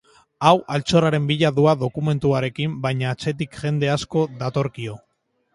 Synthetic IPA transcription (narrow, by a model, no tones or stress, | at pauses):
awʔalt͡so̞raɾe̞mbiʎaðuaðo̞kume̞nt̪uaɾe̞kimbajɲaːt͡se̞t̪̬ikʝe̞nd̪e̞asko̞ðat̪o̞ɾkio̞